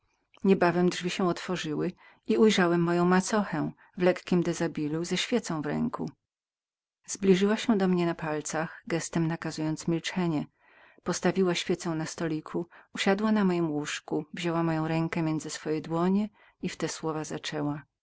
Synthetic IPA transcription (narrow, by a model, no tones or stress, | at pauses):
ɲɛbavɛmdʐvʲiɕɛ̃ɔt̪fɔʐɘwɘ | iujʐawɛmːɔjɔ̃w̃mat̪sɔxɛ | vlɛkkʲimd̪ɛzabʲiluzɛɕfʲjɛt̪sɔ̃w̃vɾɛ̰ŋkṵ | zblʲiʐɘwaɕɛ̃d̪ɔmɲɛnapalt̪saxɡɛst̪ɛmnakazujɔnt̪smʲilt͡ʂɛɲɛ | pɔst̪avʲiwaɕfʲjɛt̪sɛ̃w̃nast̪ɔlʲikʰuuɕad̪wanamɔjimwuʂkuvʑɔwamɔjɔ̃w̃ɾɛŋkɛmʲjɛnd̪zɘsfɔjɛd̪wɔɲɛ | ift̪ɛswɔvazat͡ʂɛwa